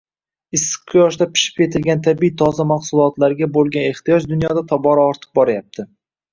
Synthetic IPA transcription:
ɪsːɪ̥qkʰʊjɒʃd̪apɪ̥ʃɪ̥p̚kʲʰe̞t̪ʰɪlɡʲant̪ʰabiit̪ʰɒzamaχsʊlˠɒt̪laɾɡʲabolˠɡʲane̞χt̪ijɒd͡ʒd̪ʊnjɒd̪at̪ʰɒbɒɾaɒɾt̪ʰɨ̥q̚bɒɾajap̚t̪ʰɪ

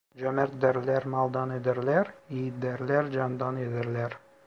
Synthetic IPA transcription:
d͡ʒamæɾd̪æɾlæɾmɑlˠd̪ɑned̪ɪɾlæɾijd̪æɾlæɾd͡ʒɑnd̪ɑned̪ɪɾlæɾ

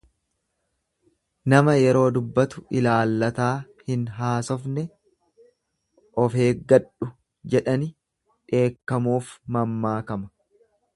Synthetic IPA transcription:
nɐmɐjɛɾo̞ːd̪ʊbːɐt̪ʊɪlaːlːɐt̪aːhɪnɦaːsɔfnɛ | ʔɔfe̞ːɡɐᶑʊ | d͡ʒɛᶑɐnɪ | ᶑe̞ːkːɐmuːfmɐmːaːkɐmɐ̥

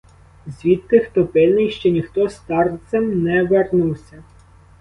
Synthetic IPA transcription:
zʲʋʲid̪̚k̪ɪxt̪ɔpɪlʲnɪjʃt͡ʃɔnʲixt̪ɔst̪ɑrt̪sɛmnɛʋernuwsʲɐ

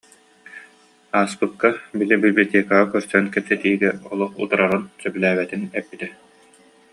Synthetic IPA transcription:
aːspɯkːabilibilʲblʲt̪eːkaʁakœɾsœnkɛpsɛt̪iːɡɛɔlˠuχṵt̪uɾaʁɯnsœbylæːbɛt̪inɛpːit̪ɛ

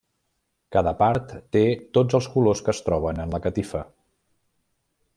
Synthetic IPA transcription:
kaðəpaɾt̪ːet̪od͡zəlˠskuloskəːst̪ɾɔβ̞ənənləkət̪ifə

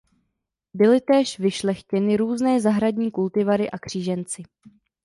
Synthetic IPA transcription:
bɪlɪt̪ɛːʃvɪʃlɛxcɛnɪɾuːznɛːzaɦɾadɲiːkult̪ɪvaɾɪʔakr̝̥iːʒɛnt͡sɪ

